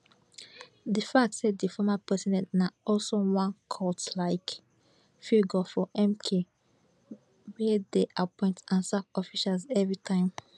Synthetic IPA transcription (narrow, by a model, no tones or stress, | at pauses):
dəfak̚tsɛt̚difɔmapɛsinɛ̃naɔlsowãnkʰɔtlaɪk | fiɡəfɔʔɛ̃mkʰe | wideʔapɔ̃ɪ̃ntãnsakɔfiʃalzɛvɹitʰãɪ̃m